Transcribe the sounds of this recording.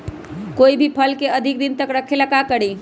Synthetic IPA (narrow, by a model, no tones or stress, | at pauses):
koibʱipʰəlkeəd̪ʱik̚d̪int̪əkɾəkʰeləkakəɽi